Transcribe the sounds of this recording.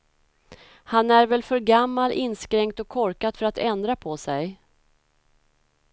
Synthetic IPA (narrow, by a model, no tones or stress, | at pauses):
hanæɾvɛlfœɾɡamːalɪnːskɾɛŋkt̪ɔkʰːɔɾkad̪fœɾat̪ɛnd̪ɾapʰɔsɛj